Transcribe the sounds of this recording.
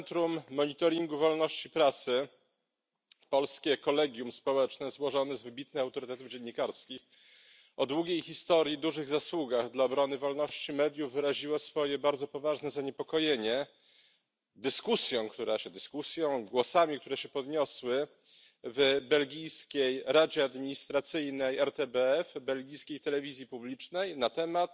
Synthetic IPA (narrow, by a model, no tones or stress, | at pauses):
ɛnt̪ɾumːɔɲit̪ɔɾʲiŋɡuvɔlnɔɕt͡ɕipɾat̪sɘ | pɔlskʲɛkɔlɛɡʲjumspɔwɛt͡ʂnɛzwɔʐɔnɛzvɘbʲit̪nɘxawt̪ɔɾɘt̪ɛt̪uvd͡ʑeɲːikaɾskʲix | ɔd̪wuɡʲejxʲist̪ɔɾʲjid̪uʐɘɣzaswuɡaɣd̪laɔbɾɔnɘvɔlnɔɕt͡ɕimɛd̪ʲjuvːɘɾaʑiwɔsfɔjɛbaɾd̪zɔpɔvaʐnɛzaɲɛpɔkɔjeɲɛ | d̪ɘskusjɔ̃w̃kt̪uɾaɕɛd̪ɘskusʲjɔ̃w̃ɡwɔsamʲik̚t̪uɾɛɕɛpɔd̪ɲɔswɘ | vbɛlɡʲijskʲejɾad͡ʑɛad̪mʲiɲist̪ɾat̪sɘjnɛjɛɾt̪ɛbɛɛfbɛlɡʲijskʲejt̪ɛlɛvʲizʲjipublʲit͡ʂnɛjnat̪ɛmat̪